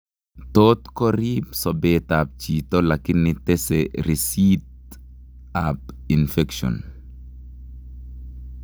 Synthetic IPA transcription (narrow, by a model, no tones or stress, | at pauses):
tot̪kɔɾipsɔbet̪ap̚t͡ʃitɔlakɪnːɪtɛsɛɾisit̚ | apinfɛkʃɔ̰n